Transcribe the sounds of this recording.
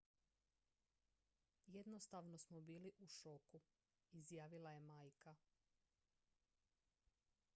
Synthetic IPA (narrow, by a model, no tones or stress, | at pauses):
jed̪no̞st̪aʋno̞smobiːliʔuʃoku | izjaːʋilˠaje̞maːjka